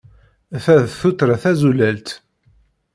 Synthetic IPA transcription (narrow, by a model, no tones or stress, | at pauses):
θæðθut̪ɾˤaθæzulælt̪